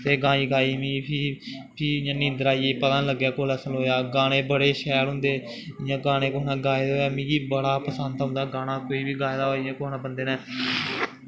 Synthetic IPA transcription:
t̪eːɡãːiːɡaːiːmĩːpʰipʰiːjãːnĩːnd̪əɾaːieːpət̪ãːnləɡːaːkoːlɛːsəloːjaːɡaːnẽːbəɽeːʃɛːlɦʊ̃nd̪eː | ɪjãːɡaːɽ̃ẽːkoːɦnãːɡaːeːd̪oːaːmĩːɡiːbəɽaːpəsənd̪ɦʊ̃nd̪aːɡaːnaːkoːiːbiːɡaːed̪aːɪjãːkoːɦnãːbənd̪eːnɛː

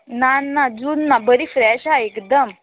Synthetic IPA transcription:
nanːad͡zunːabəɾifɾɛɕaekd̪əm

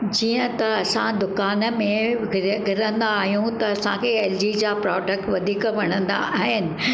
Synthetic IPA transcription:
d͡ʑiːə̃t̪ɐɐsãd̪ʊkaːnmẽɡʱɪɡʱɪɾə̃nd̪aːɦijũt̪ɐːsãkʰeːeːld͡ʑid͡ʑaːpɾɔːɖək̚ʈʋɐd̪ʱiːkʋɐɽ̃ə̃nd̪a̰ʔaːɦɪnɪ̆

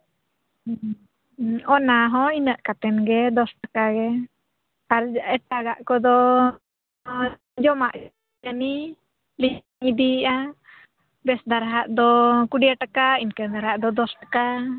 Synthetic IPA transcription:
ɔnaɦɔ̃inəʔkat̪ɛnɡɛd̪ɔsʈakaɡɛ | aɾɛʈaɡaʔkɔd̪ɔ | d͡ʒɔmaʔ | ani | li | ŋid̪iʔa | bɛsd̪aɾaɦaʔd̪ɔkuɖiaʈakainkəd̪aɾaʔd̪ɔd̪ɔsʈaka

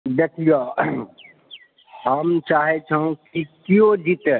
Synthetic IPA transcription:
d̪ekʰijo | ɦəmt͡ʃaːɦet͡ʃʰãkikijõd͡ʒit̪e

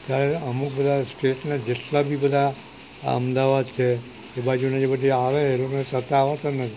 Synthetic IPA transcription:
k̪jaɾeəmuk̚bəd̪ʱasʈeʈnad͡ʒeʈlabʱibəd̪ʱa | ə̰md̪aʋad̪t͡ʃʰe | ebad͡ʒunad͡ʒebədiaʋeːlokonesət̪aːʋasənːəi

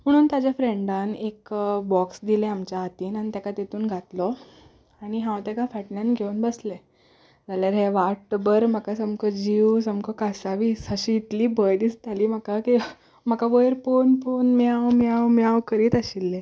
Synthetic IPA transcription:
m̤əɽ̃uːnt̪ad͡ʑjafɾeɳɖanekbɔksd̪ileamt͡ɕjaɦat̪iːnañit̪jakat̪et̪uːnɡʱat̪lɔ | aɽ̃iɦãwt̪jakafɛʈnãnɡʱeuːnbəsle | d͡zaljaɾɦeʋaʈbəɾmakasəmkʰəd͡ʑiwsəmkʰəkasaʋiːsəɕiːt̪liːbəjd̪ist̪aliːm̤akaki | m̤akaʋəjəɾponponmjawmjawmjawkəɾiːt̪əɕilːe

